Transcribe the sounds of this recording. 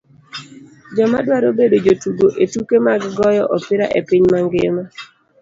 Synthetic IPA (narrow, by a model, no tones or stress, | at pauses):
d͡ʒɔmadwaɾobedod͡ʒotuɡoʔetukemaɡɡɔjɔʔɔpɪɾa̰ʔepiɲmaŋɡema